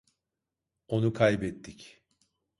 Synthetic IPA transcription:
o̞nukʰajbɛt̪ʰːic

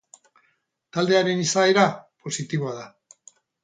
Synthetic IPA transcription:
t̪ald̪e̞aɾe̞nisaeɾapo̞sit̪iβoaða

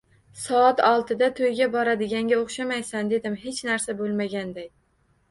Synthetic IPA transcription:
sɒːt̪ɒlˠt̪ʰɪd̪at̪ʰojɡʲabɒɾad̪ɪɡʲaŋɡʲaoχʃamajsand̪e̞d̪ɪmɦet͡ʃnaɾsabolˠmaɡʲand̪aj

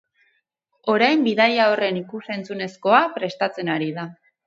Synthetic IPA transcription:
o̞ɾajmbiðajaore̞nikuse̞nt͡sune̞sko̞apɾe̞st̪at͡se̞naɾiða

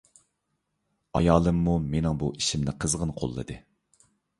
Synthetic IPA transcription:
ɑ̰jɑːlˠɨmːumenɪŋbuiʃimnɪqʰəzʁənqʰo̰lˠːɨ̰d̪ɨ

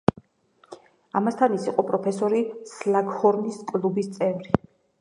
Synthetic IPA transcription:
amast̪ʰanisiqʼɔpʼɾɔpʰɛsɔɾislaɡhɔɾniskʼlubist̪sʼɛvɾi

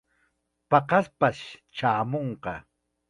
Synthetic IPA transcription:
pɑqɑspaʃt͡ʃaːmoɴqɑ

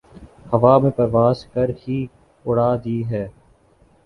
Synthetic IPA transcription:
hɐʋaːmẽːpɐɾʋaːzkəɾhiː | ʊɽaːd̪iːɦɛː

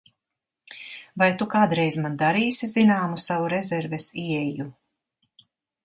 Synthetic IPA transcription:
vajt̪ukaːd̪ɾɛjzmand̪aɾiːsʲizinaːmusavuɾɛzɛɾvɛsiɛju

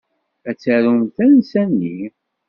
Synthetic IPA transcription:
æt͡sːæɾunθænsænːi

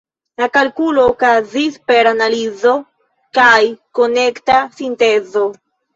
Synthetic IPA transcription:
lakalkulo̞ːkazispe̞ɾanalizo̞ | kajko̞ne̞ktasinte̞zo̞

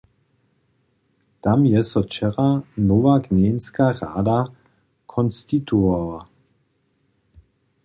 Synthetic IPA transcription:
t̪amjɛsɔt͡ʃɛʁanɔvaɡɲɛːnskaːʁa̰ːd̪a | kʰɔnst̪it̪uava

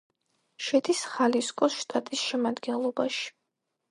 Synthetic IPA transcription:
ʃɛd̪isχaliskʼɔsʃt̪ʼat̪ʼisʃɛmad̪ɡɛnlˠɔbaʃi̥

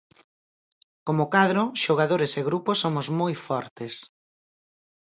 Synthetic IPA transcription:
komokaðɾʊʃoɣaðoɾeseɣɾuposːomʊzmojfɔɾt̪es

